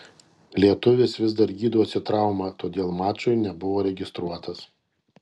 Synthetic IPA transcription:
lʲiɛt̪ʊʋʲɪsʋʲɪzd̪ɐɾɡʲiːd̪uɔsʲɪt̪ɾɑˑʊmɐt̪oːd̪ʲeːlˠmɑːt͡ʃʊɪnʲɛbʊʋoːɾʲɛɡʲɪst̪ɾuɔt̪ɐs

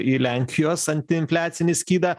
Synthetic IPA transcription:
ilʲæˑŋʲkʲʰɪjoːsɐnʲt̪ʲɪɪnʲfʲlʲæːt̪sʲɪnʲɪsʲkʲiːd̪ɐ

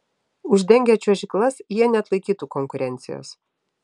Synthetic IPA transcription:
ʊʒʲd̪ʲɛŋʲɡʲɛt͡ʃʲuʒʲɪklˠɐsjiɛnʲɛɐt̪lˠɐɪkʲiːt̪uːkɔŋkʊɾʲɛnʲt̪sʲɪ̰jo̰ːs

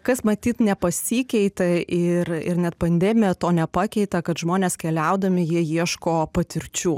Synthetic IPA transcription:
kɐsmɐt̪ʲiːt̪nʲɛpɐsʲiːkʲɛɪt̪ɐɪrɪ̰ɾnʲɛt̪pɐnʲd̪ʲɛːmʲɪjɛt̪oːnʲɛpɑːkʲɛɪt̪ɐkɐt̪ʒmoːnʲeːskʲɛlʲɛʊd̪ɐmʲɪjiɛjiɛʃkoːpɐt̪ʲɪɾʲt͡ʃʲuː

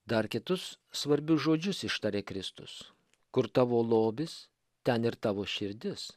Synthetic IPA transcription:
d̪ɐɾkʲɪt̪ʊsː | ʋɐɾʲbʲʊsʒoːd͡ʒʲʊsɪʃt̪ɐɾʲeːkɾʲɪst̪ʊ̰s | kʊɾt̪ɑːʋoːlˠoːbʲɪs | t̪ʲɛnɪɾt̪ɑːʋoːʃʲɪɾʲd̪ʲɪs

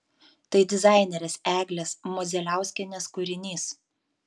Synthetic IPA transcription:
t̪ɐɪd̪ʲɪzɑˑɪnʲɛɾʲɛsæːɡlʲɛsmɔzʲɛlʲæˑʊsʲkʲɛnʲeːskʊɾʲɪnʲiːs

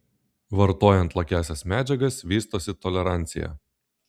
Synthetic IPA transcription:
ʋɐɾt̪oːjɛnt̪lˠɐkʲæˑːsʲɛsmʲæːd͡ʒʲɛɡɐsʋʲiːst̪oːsʲɪt̪ɔlʲɛɾɑˑnʲt̪sʲɪ̰jæ̰

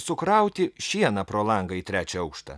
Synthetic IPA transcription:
sʊkɾɐˑʊt̪ʲɪʃʲiɛnɐpɾoːlˠɐŋɡɐit̪ʲɾʲæːt͡ʃʲɛɐʊkʃt̪ɐ̰

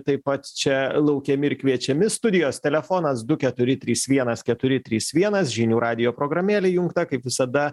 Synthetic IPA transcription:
t̪ɐɪppɐt̪t͡ʃʲɛlˠɐʊkʲɛmʲɪɪɾkʲʋʲiɛt͡ʃʲɛmʲɪst̪ʊd̪ʲɪjoːst̪ʲɛlʲɛfoːnɐsd̪ʊkʲɛt̪ʊɾʲɪt̪ʲɾʲiːsʋʲiɛnɐskʲɛt̪ʊɾʲɪt̪ʲɾʲiːsʋʲiɛnɐsʒʲinʲuːɾʔɑːd̪ʲɪjoːpɾoːɡɾɐmʲeːlʲɛjʊŋkt̪ɐkɐɪpʋʲɪsɐd̪ɐ

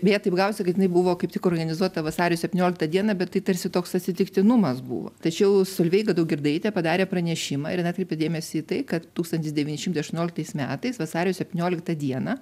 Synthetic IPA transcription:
bʲɛjɛt̪ɐɪpɡɐʊsʲɪkɐt̪jʲɪnɐɪbʊʋoːkɐɪpt̪ʲɪkoːrɡɐnʲɪzuɔt̪ɐʋɐsɑːɾʲɪjoːsʲɛpʲt̪ʲɪnʲoːlʲɪk̚t̪ɐd̪ʲiɛnɐbʲɛt̪tɐɪt̪ɐɾʲsʲɪt̪oːksɐt̪ʲsʲɪt̪ʲɪkt̪ʲɪnʊmɐsbṵʋo̰t̪ɐt͡ʃʲɛʊsolʲʋʲɛɪɡɐd̪ɐʊɡʲɪrd̪ɐɪt̪ʲɛpɐd̪ɑːɾʲeːpɾɐnʲɛʃʲɪmɑ̰ːɪɾnɐt̪kɾʲeɪpʲedʲeːmʲɛsʲɪːt̪ɐɪkɐt̪t̪uːkst̪ɐnʲt̪ʲɪsd̪ʲɛʋʲiːnʲɪʃʲɪmt̪ɐɪɐʃt̪uʊnʲoːlʲkt̪ɐɪsmʲæːt̪ɐɪsʋɐsɑːɾʲɪjoːsʲɛpʲtʲɪnʲoːlʲɪkt̪ɐd̪ʲiɛnɐ

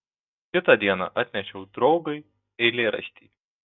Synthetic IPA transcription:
kʲɪt̪ɐd̪ʲiɛnɑ̰ʔɑt̪ʲnʲɛʃʲɛʊd̪ɾɒʊɡɐɪ | ɛɪlʲeːɾɐ̰ʃʲt̪ʲḭː

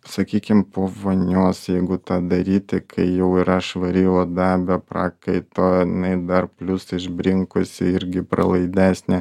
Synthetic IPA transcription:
sɐkʲiːkʲɪmpoːʋonʲuːsjɛɪɡʊt̪ɑːd̪ɐɾʲiːt̪ʲɪkʰɐɪjɛʊɪɾɐʃʋɐɾʲiːoːd̪ɑːbʲɛpɾɑːkɐɪt̪oːɪnɐɪd̪ɐɾpʲlʲʊsɪʒʲbʲɾʲɪŋkʊsʲɪɪɾʲɡʲɪpɾɐ̰lˠɐɪd̪ʲæːsʲnʲɛ

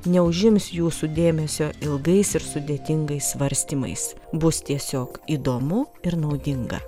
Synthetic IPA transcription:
nʲɛʊʒʲɪmsjuːsud̪ʲeːmʲɛsʲoːʔɪlˠɡɐɪsɪɾsʊd̪ʲeːt̪ʲɪŋɡɐɪsʋɐɾʲsʲt̪ʲiːmɐ̰ɪsbʊst̪ʲiɛsʲoːkiːd̪oːmʊ | ɪɾnɐʊd̪ʲɪŋɡɐ̰

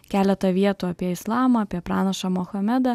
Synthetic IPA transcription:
kʲæːlʲɛt̪ɐʋʲiɛt̪uːɐpʲiɛɪslˠɑːmɐːpʲiɛpɾɑːnɐʃɑmɔxɐmʲɛd̪ɐ

